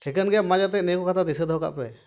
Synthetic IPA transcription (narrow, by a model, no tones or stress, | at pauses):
ʈʰɛkənɡɛjamad͡ʒat̪̬ɛnɛkɔkat̪ad̪isəd̪ʱɔka̰ʔpɾɛ